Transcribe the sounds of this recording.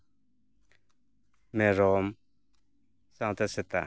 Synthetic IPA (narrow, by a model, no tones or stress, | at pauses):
meɾɔm | saŋt̪aset̪a̰